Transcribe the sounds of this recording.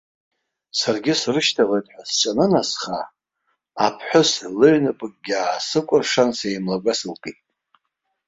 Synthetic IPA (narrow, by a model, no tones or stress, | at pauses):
sarɡʲɪsrɨʃtʰaʁejtʼħʷᶣast͡ʃʼanɨnasχaː | pʰħʷʊslɨʕnɨpʼɨk̚ʼɡʲaːsɨkʷʼʊrʂansejmlaɡʷasɨlkʼitʼ